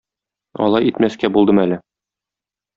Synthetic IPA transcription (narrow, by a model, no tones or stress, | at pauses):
ɒ̰lˠɑjit̪mæskæbulˠd̪ɤmælɘ